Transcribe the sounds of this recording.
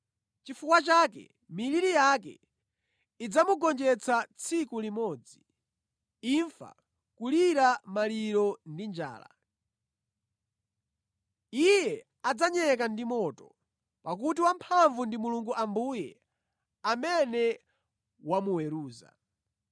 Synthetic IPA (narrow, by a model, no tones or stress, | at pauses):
t͡ʃifukwat͡ʃakɛ̰ | miliɾijakɛ̰ | id͡zamuɡɔnd͡ʒɛt͡sʰat͡sʰikulimɔːd͡zi | iɱfa̰ | kuliɾamaliɾɔndind͡ʒa̰ːla̰ | ijɛ | ad͡zaɲɛk̬andimɔtɔ | pak̬ut̬iwampʰaɱvundimuluŋɡuʔambuːjɛ̰ | amɛnɛ | wamuwɛɾuːza̰